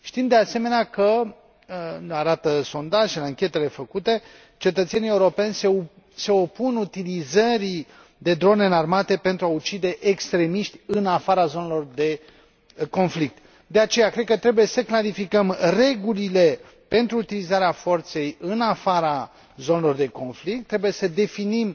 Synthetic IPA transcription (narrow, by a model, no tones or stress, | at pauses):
ʃt̪imd̪e̞ase̞me̞neakə | naɾat̪əso̞nd̪aʒenaŋkʲe̞t̪e̞le̞fəkut̪e̞ | t͡ʃe̞t̪ət̪senije̞uɾo̞pe̞nʲse | se̞o̞punut̪ilizəɾi | d̪e̞d̪ɾo̞neɨnarmat̪e̞pe̞nt̪ɾuaut͡ʃid̪e̞ʔekst̪ɾe̞miʃt̪ʲɨnafaɾazo̞ne̞lo̞rd̪e̞ | ko̞nflik̚t̪ | d̪e̞at͡ʃe̞jakɾed̪̚kət̪ɾe̞buje̞səklaɾifikəmre̞ɡulile̞ | pe̞nt̪ɾuːt̪ilizaɾeafo̞rt̪se̞jɨnafaɾa | zo̞ne̞lo̞rd̪e̞ko̞nflik̚t̪ːɾe̞buje̞səd̪e̞finim